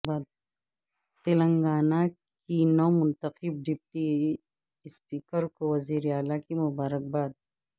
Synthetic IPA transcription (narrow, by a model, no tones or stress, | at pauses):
baːd̪ | t̪elə̃ŋɡaːna | kinomʊnt̪əqɪb̚ɖip̚ʈi | spiːkəɾkoʋɐziːɾeaːlakimʊbaːɾək̚baːd̪̚